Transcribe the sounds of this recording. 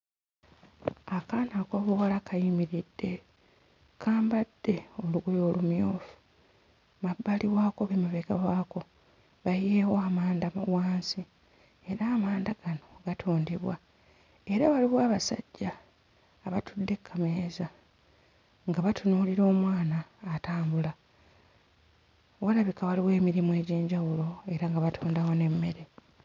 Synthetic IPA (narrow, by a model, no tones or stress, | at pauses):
akaːnako̞βowalakʰajimiɾid̥ːe̞ | kʰaːmbad̥ːe̞oluɡujo̞ːlumjo̞ːfu̥ | mabːaliβwaːko̞βemuβeɡawaːko̞ | βajeːwoamaːndawaːnsi | eɾaːmaːndaɡ̥ano̞ɡ̥atʰuːndiβwa | e̞ɾaβaliβwaːβasa̰ɟːaː | βatʰudːe̞kʰːameeza | ŋɡaβatʰunuːliɾo̞ːmwaːnaːtaːmbula | walaβikaβaliwe̞ːmiɾimue̞ːɟiːɲɟawulo̞e̞ɾaŋɡaβatʰuːndaho̞ne̞mːe̞ɾe̞